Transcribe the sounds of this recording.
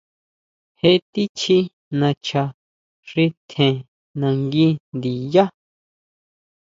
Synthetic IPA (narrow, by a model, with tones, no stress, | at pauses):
he˧t̪i˦t͡ʃʰi˧ | nã˧t͡ʃʰa˧ | ʂi˧t̪ʰẽ˨ | nã˧ŋɡi˧˦nd̪i˨ja˦